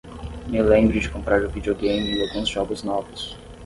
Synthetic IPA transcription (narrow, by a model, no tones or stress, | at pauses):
mɪlẽmbɾʊd͡ʒɪkõmpɾaɾʊvid͡ʒioɡẽjmɪːawɡũzʒɔbʊznɔvʊs